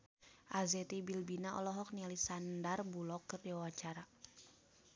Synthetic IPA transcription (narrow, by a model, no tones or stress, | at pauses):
ʔazɛt̪ibilbinaʔɔ̰lɔɦɔk̚nialisandarbulɔkːɨrdiwawat͡ʃaɾa